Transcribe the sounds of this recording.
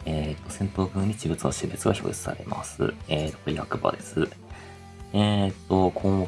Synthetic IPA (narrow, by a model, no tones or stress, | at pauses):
et̪ːo̞sẽ̞nt̪oːɡɯ̟ːɲ̟it͡ɕibɯ̟t͡sɨnaɕibɯ̟t͡sɨɡaçoːit͡sɨ̥sa̰ɾe̞̰ma̰sɨ̰eːt̪ot̪oɾʲihakɯ̟ba̰d̪e̞sɨ | et̪ːo̞kʰõmo